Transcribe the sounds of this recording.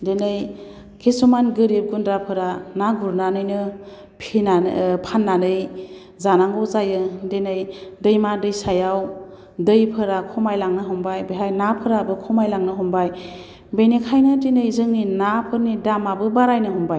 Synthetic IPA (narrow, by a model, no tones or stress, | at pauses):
denɯj | kʰesumanɡɯɾip̚ɡundɾapʰɯɾanaɡʱuɾnanɯjnɯ | pʰinapʰanːanɯj | zanaŋɔzajɯdenɯjdɯjmadɯjsajaw | dɯjpʰɯɾakʰɔmajlaŋnɯɦumbajbeɦajnapʰɯɾabɯkʰɔmajlaŋnɯɦumbaj | benikʰajnɯtinɯjzɯŋninapʰɯɾnidamabɯbaɾajnɯɦumbaj